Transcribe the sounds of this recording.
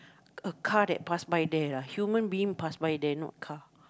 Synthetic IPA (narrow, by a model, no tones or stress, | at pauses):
əkʰadɛt̚pasbajdɛlahjumə̃nbĩĩŋpasbajdɛnɔ̰t̚kʰa